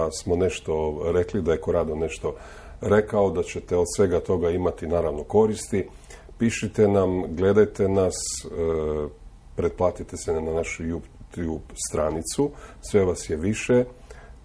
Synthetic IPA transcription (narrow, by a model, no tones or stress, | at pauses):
smo̞ne̞ʃt̪o̞ɾeklid̪ajekoɾad̪one̞ʃt̪o̞ | ɾe̞kaod̪at͡ɕet̪eo̞d̪sʋe̞ɡat̪o̞ɡaimat̪inaːɾaʋno̞ko̞ɾist̪i | piʃit̪enamɡle̞d̪ajt̪e̞nas | pɾeplˠaːt̪it̪esenanaʃujub̪jubst̪ɾanit̪susʋe̞ʋasjeʋiʃe